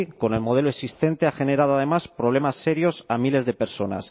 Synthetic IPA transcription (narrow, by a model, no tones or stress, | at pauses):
ko̞ne̞lmo̞ð̞e̞loesist̪e̞nt̪eaxe̞ne̞ɾað̞oað̞e̞maspɾo̞β̞le̞masːe̞ɾjo̞samile̞zðe̞pe̞ɾso̞na̰s